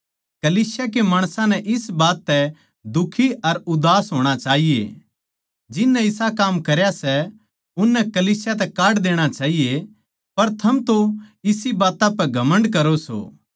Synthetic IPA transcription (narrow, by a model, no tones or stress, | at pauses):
kɐliːsjak̬emaːɽ̃sãnɛʔɪsbaːt̪ːɛ | d̪ʊkʰiɐɾʊd̪aːsɦoːɽ̃at͡ʃaːɦijḛ | d͡ʒɪnːɛ̃ɪsakaːmkɐɾjasɛ | ʊnːɛkɐliːsjat̪ɛkaːʈd̪eːɽ̃at͡ʃaːɦije | pɐɾt̪ʰɐmt̪oɪsibaːt̪ãpɛɡʱɐmə̃ɳɖkɐɾoso̰ː